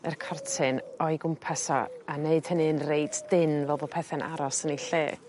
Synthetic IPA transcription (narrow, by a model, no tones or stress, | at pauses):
ərkʰɔrtʰɨnɔɨɡʊmpʰasɔ̰aneɨd̥hənɨənreɨdd̥ɪnvɛlˠbɔpʰɛθɛnʔa̰ɾɔsəniɬeː